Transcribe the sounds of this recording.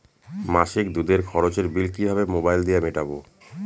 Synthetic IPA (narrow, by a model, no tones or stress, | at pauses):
maʃik̚d̪ud̪eɾkʰɔɾot͡ɕeɾbilkibʱabemobajld̪ijameʈabo